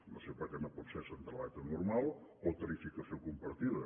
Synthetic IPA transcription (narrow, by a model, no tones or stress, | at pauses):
nosepaɾkɛnopɔt̪sesənd̪əlat̪ənuɾmalˠot̪əɾifikəsiokumpɐɾt̪iðə